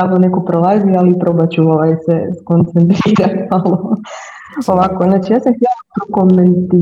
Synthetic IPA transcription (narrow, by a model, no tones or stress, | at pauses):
aʋnone̞ko̞pɾolˠazialiːpɾo̞bat͡ɕuoʋajseskont̪sent̪ɾiːɾamalˠo | o̞ʋakonat͡ʃijaːsamxt̪jelop̪ɾokoment̪i